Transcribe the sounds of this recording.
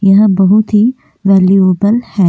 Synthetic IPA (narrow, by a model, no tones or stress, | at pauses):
jɐɦãbɐɦut̪ɦi | ʋɛːlioːbəlhɛː